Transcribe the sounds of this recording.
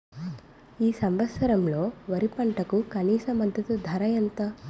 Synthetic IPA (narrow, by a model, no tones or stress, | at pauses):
iːsɐmʋɐt̪sɐɾɐmlo̞ːʋɐɾipɐɳʈɐkukɐniːsɐmɐd̪ʱːɐt̪ud̪ʱɐɾɐjɐnt̪ɐ